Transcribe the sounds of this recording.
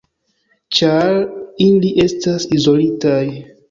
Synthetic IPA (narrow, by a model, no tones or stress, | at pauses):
t͡ʃaɾiliʔe̞stasizo̞litaj